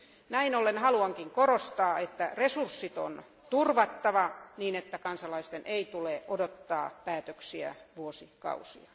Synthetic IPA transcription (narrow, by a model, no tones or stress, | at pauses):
næinolːenhɑluɑŋkiŋkorost̪ɑːet̪ːæresursːit̪o̰n | t̪urʋɑt̪ːɑʋɑniːnet̪ːækɑnsɑlɑist̪enʔeit̪uleʔodot̪ːɑ̰ːpæːt̪øksiæ̰ʋuosikɑ̰usḭɑ